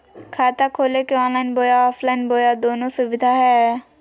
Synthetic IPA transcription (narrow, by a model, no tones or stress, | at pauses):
kʰaːt̪akʰoːlekeɔ̃ːnlaːɪnboːjaɔːpʰlaːɪnboːjad̪oːnõsʊʋɪd̪ʱaɦɛː